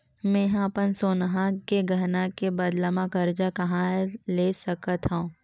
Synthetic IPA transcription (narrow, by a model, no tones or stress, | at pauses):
mɛ̃ːɦãpənsoːnɦãkeɡʱɐɾnakebɐd̪ləmakɐɾd͡ʒakɐɦãleːsɐkət̪ɦãː